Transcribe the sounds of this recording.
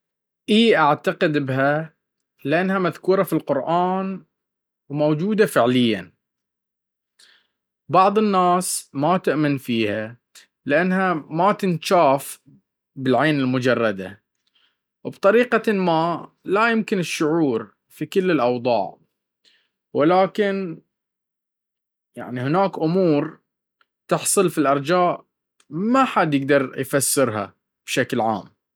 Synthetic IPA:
ʔiːʔaʕt̪aqɪd̪bɦa | lɪʔanːhamaðkuːɾˤɑfilqʊɾʔaːn | wmowd͡ʒuːd̪afɪʕlɪjːa̰n | bɑʕðˤɨnːaːsmat̪ʊʔmɪnfiːha | lɪʔanːhamat̪ɪnʃaːf | bɪlʕeːnɪlmʊd͡ʒɑrˤːɑd̪a̰ | wbt̪ˤɑɾiːqɑma | lajʊmkɪnɪʃːʊʕuːɾ | fikɪlːɪlʔɑwd̪ˤɑ̰ːʕ | wɪlaːkɪn | ja̰ʕnihɪnaːkʔʊmuːɾ | t̪ɪħsˤɨlfilʔɑɾˤd͡ʒaːʔ | maħad̪jɪɡ̚d̪ɑɾˤjfasːɪɾɦa̰ | b̥ʃaklʕa̰ːm

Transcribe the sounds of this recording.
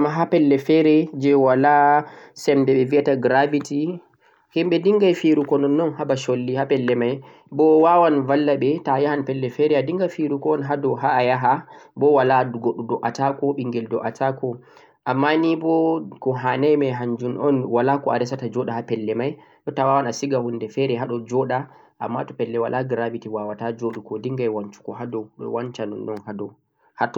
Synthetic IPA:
amaɦapɛlːɛfɛɾɛd͡ʒɛwalasɛmdɛɓɛviataɡɾaviti | himɓɛdiŋɡajfiɾukɔnɔnːɔnhabaʃolːihapɛlːɛmaj | bɔwawanvalːaɓɛtajahanpɛlːɛfɛɾɛadiŋɡajfiɾukɔːnɦadɔɦaːjaɦabɔwalaɡoɗːudɔʔatakɔɓiŋɡɛldɔ̰ʔatʰakɔ | ʔamːanibɔkɔɦanajmɛɦaɲd͡ʒunʔɔnwalakɔaɾɛsatad͡ʒɔɗahapɛlːɛmaj | ɗɔtawawanasiɡahundɛfɛɾɛɦaɗɔd͡ʒɔɗa | ʔa̰mːatɔpɛlːɛwalʔaɡɾavitiwawatad͡ʒoɗukɔdiŋɡajwaɲt͡ʃu̥kɔɦadɔɗɔ̰want͡ʃanɔ̰nːɔnhadɔ | hatɔ

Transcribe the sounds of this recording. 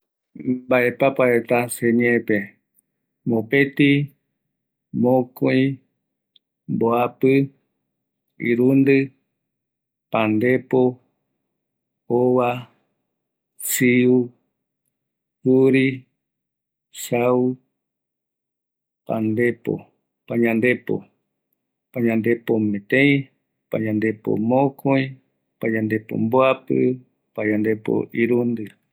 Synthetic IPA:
baʔe̞papaet̪aseɲepe | mõpet̪i | mõkõĩ | mboapɨ | iɾund̪ɨ | pãnd̪epo | oβa | siu | huɾi | sau | pa̰nd̪epo̰ | paɲãnd̪epo̰ | paɲãnd̪e̞pomẽt̪ẽĩ | pa̰ɲãnd̪e̞po̰mõkʰõĩ | paɲãnd̪epo̰mboapɨ̰ | paɲãnd̪e̞po̰ʔiɾund̪ɨ

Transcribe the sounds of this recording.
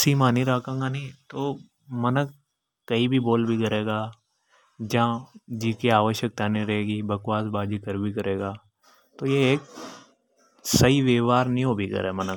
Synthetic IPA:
siːmaːnĩɾaːkãɡanĩt̪oː | mɐnək̚ | kːɐibʱiboːlbʱikɐɾeːɡaː | d͡ʒãːd͡ʒikiaːʋəʃjək̚t̪aːnĩɾɐɦeːɡibəkwaːsbaːd͡ʒikɐɾbʱikɐɾeːɡaː | t̪oːjeeːk̚ | sɐiʋeːʋaːɾnĩɦobʱikɐ̰ɾemənək

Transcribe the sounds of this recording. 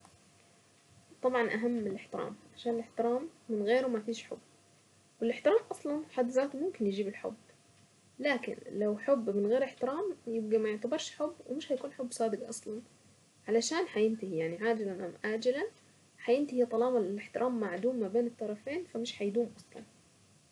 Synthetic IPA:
t̪ˤɑbʕɑnʔaɦamːɪlɪħt̪ɪɾa̰ːmalaʃaːnɪlɪħt̪ɪɾaːmːɪnɣeːɾumafiːʃħʊ̰bː | wɪlɪħt̪ɪɾaːmʔɑsˤlɑnħad̪zaːt̪mʊmkɪnjɪd͡ʒiːbɪlħʊ̰bː | laːkɪ̰nlawħʊbːmɪnɣeːɾɪħt̪ɪɾaːmjɪb̚ɡimajʊʕt̪abɪɾʃħʊbːwɪmɪʃhajkuːnħʊbːsˤɑːd̪ɪɡʔɑsˤlɑn | ʕalaʃaːnħajɪnt̪ɪhijaʕniʕaːd͡ʒɪlanʔamʕaːd͡ʒɪla | ħajɪnt̪ɪhit̪ˤɑlɑːmalɪlɪħt̪ɪɾʔaːmːaʕd̪uːmːabeːnɨt̪ˤːɑɾˤɑfeːnfamɪʃħajd̪uːmʔɑsˤlɑ̰n

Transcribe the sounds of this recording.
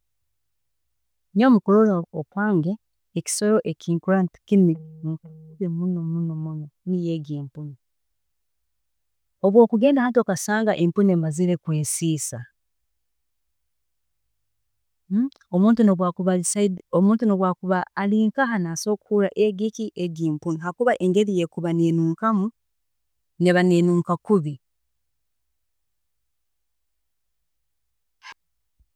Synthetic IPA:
nomukololaokwaːŋɡeː | ci̥soɾoʔekʰiŋkɾanti̥kini | βemunomunomunonijeɡiːmpuni | oβwo̞ːkuɡe̞ːndahat̬okasaːŋɡaʔempunemaziɾekweːnsiːsa | omuːntunoβwakuβasaomuːntunoβwaːkuβaːliːŋkaɦanaso̞kʰuɾaʔeɡiciʔeɟiːmpuniɦakuβaʔe̞ŋɡe̞ɾijekuβanenuːŋkamu | neβaneːnuːŋkakuβi

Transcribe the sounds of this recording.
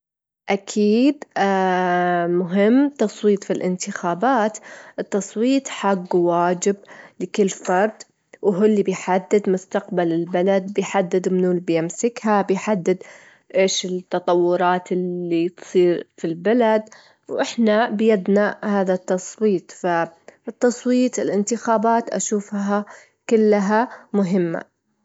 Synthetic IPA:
ʔakʰiːd̪ | mʊɦɪmːt̪ɑsˤwiːt̪ˤfilʔɪ̰nt̪ɪxaːbaːt̪ʔɨt̪ːɑsˤwiːt̪ˤħaɡːwaːd͡ʒɪb̚lɪkɪlːfɑɾˤd̪ˤ | wɦʊlːibɪjħad̪ːɪd̪mʊst̪aqbalɪlbalad̪̚bɪjħad̪ːɪd̪mnuːlbjɪmsɪkhabɪjħad̪ːɪd̪ | ʔeːʃɪt̪ːɑt̪ˤɑwːʊɾˤɑːt̪ɪːit̪sˤiːɾfilbalad̪ | wʔɪħnabjad̪nahaːðat̪ːɑsˤwiːt̪ˤfaɪt̪ːɑsˤwiːt̪ˤɪlʔɪnt̪ɪxaːbaːt̪ʔa̰ʃuːfɦa | kɪlːaɦamʊɦɪmːa̰

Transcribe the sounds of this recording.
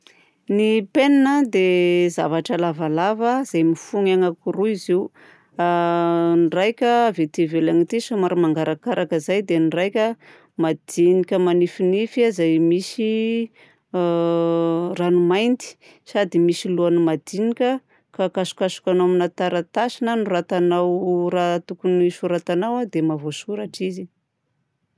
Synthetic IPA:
nipeninəd̪eza̰vaʈ͡ʂəlavalavəz̥ajmifuŋaŋakuɾuiziu | nrajkʲəːvet̪ivelaŋit̪isamaɾimaŋɡaɾakaɾʔakəzajd̪enirajkʲə | mad̪̥inikʲəmanifinifazajmisi | ranumajnt̪i̥ | sad̪imisiluanimad̪̥inikʲə | kakasu̥kasu̥kʲanoaminat̪aɾat̪asinanurat̪anawrat̪ukunisuɾat̪anawad̪emavosuɾaʈ͡ʂizi

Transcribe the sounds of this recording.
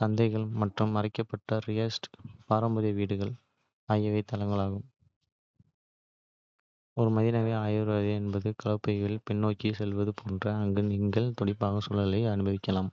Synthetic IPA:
sɐnd̪ɐɪɣɐɭmɐʈrɯmːɐɾɪkːɐpːɐʈːɐɾɪjɐsʈpaːɾɐmbɐðɐjɐʋiːɽɯɣɐɭ | aːjɐʋɐɪt̪ːɐlɐŋɡɐɭaːɣɯm | ɔɾɯmɐðɪnɐʋeːaːjɪɾɐðeɛnbɐðɯkɐɭɐpːɐʋɪlpɛɳːoːkːisɛlʋɐðɯpʰoːndrɐːŋɡɯnɪŋɡɐɭt̪ɔɽɪpːaːɣɐsɔlːɐlɐɪɐnɯbɐʋɪkːɐlaːm

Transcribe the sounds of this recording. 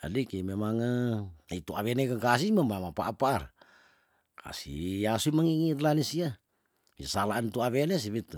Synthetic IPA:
a̰dikememaŋaait̪uaβenekaŋkas̬ismamamapa̰ʔapaːr | kʰa̰sḭasuimaŋiŋit̪lanisia | isalaant̪uaβenes̬iβit̪

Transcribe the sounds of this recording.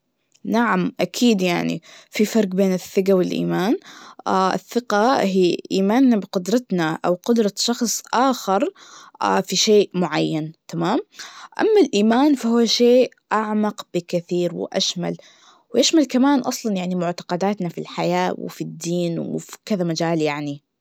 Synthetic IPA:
naʕamʔakʰiːd̪jaʕnḭfifɑɾˤqbeːnɪθːɪɡawɪlʔḭːmaːnʔaʔɪ̰θːɪqaɦiːʔiːmaːnːabɪqʊd̪ɾˤɑt̪naʔa̰wqʊd̪ɾˤɑʃɑxsˤʔaːxɪɾˤafiʃeːʔmʊʕajːant̪amaːmʔa̰mːalʔiːmaːnfahuːʃeːʔ | ʔaʕmɑqb̥ɪkɪθiːɾwɪ̰ʔa̰ʃma̰l | wʔaʃmalkamaːnʔɑsˤlɑnjaʕnimʊʕt̪ɑ̥qɑd̪aːt̪nafḭlħajaːwɪ̰fid̪ːiːnwfkɪðamad͡ʒaːljaʕni

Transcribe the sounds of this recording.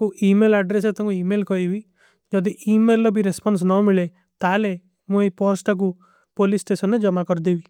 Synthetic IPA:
kuʔimelaɖɾes̬et̪ũŋkuimelkɔibi | d͡ʒɔd̪iʔimelːɔbʱiɾespɔns̬nɔmiɭe | t̪ale | muipɔsʈak̬u | polisʈesɔnːed͡ʒɔmakɔɾd̪ebi

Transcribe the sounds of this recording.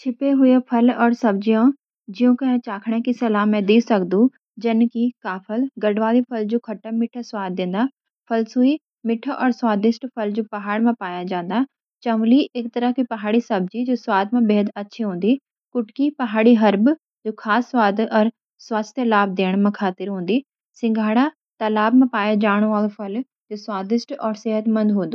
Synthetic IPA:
t͡ʃʰɪpeɦʊjepʰɐlɔːɾsɐbd͡ʑijõ | d͡ʑɪjũkɐ̃t͡ɕaːkʰɽ̃ekisɐlaːmẽd̪iːsɐɡd̪ũ | d͡ʑɐnkikaːpʰəlɡɐɽʋaːlipʰɐld͡ʑoːkʰɐʈəmɪʈʰəswaːd̪̚ːẽːn̆d̪a | pʰɐlsuːi | mɪʈʰəʔɔːɾswaːd̪ɪsʈpʰɐld͡ʑupɐɦaːɽmãpaːjãd͡ʑãːnd̪a | t͡ɕɐ̃mliɪkt̪ɐɾəkʰipɐɦaːɽisɐb̚d͡ʑid͡ʑoːswaːd̪mãbeːɦəd̪ɐtːʃʰiɦũːn̆d̪i | kʊʈkipɐɦaːɽiɦɐɾb | d͡ʑoːxʰaːsːwaːd̪ɔːɾ | swaːst̪ʰjəlaːb̚d̪eːɽ̃mãkʰaːt̪ɪɾɦũːnd̪i | sɪ̃ŋɡʱaːɽa | t̪ɐlaːbmãpaːjad͡ʑaːɽ̃oaːlfɐl | d͡ʑoːswaːd̪ɪsʈɔːɾseːɦət̪mɐ̃nd̪ɦũːnd̪oː

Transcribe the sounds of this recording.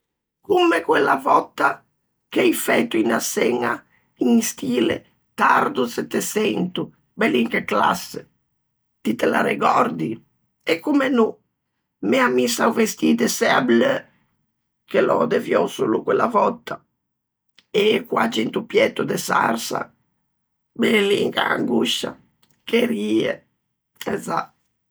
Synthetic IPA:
kumːekwelːavɔt̪ːa | kɛjfɛt̪ːuinasɛŋa | iŋst̪iːlḛ | t̪aɾd̪usɛt̪ːesɛnt̪u | bɛliŋkekla̰sːe | t̪it̪ela̰ɾeɡɔɾd̪i | ekːumenu | mɛamisauvest̪id̪ɛsɛablø | kelɔ̰d̪ɛvjɔsulukwɛlavɔt̪ːa | ekwat͡ʃint̪upjɛt̪ːud̪ɛsa̰rsa̰ | bɛlḭŋkaa̰ŋɡuʃa̰ | keɾiːɛ | ɛza

